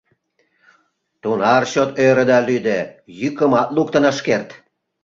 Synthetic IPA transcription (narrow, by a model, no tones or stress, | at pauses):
t̪unɑrɕot̪øɾə̆d̪ɑlyd̪əjykəmɑt̪luk̚t̪ənɑʃkert̪